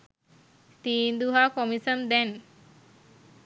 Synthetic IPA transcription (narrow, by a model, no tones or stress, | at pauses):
t̪iːnd̪uɦakɔmisəmd̪ɛn